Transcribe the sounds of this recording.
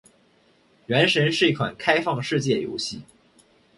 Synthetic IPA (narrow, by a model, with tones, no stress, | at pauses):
ɥɛ˧˥nʂə˧˥nʂɻ̩˥˧i˥˩kʰwa̰˨˩nkʰa˥ɪfɑ˥˧ŋʂɻ̩˥˧t͡ɕjɛ˥˩jo̰˧˥ʊɕi˥˩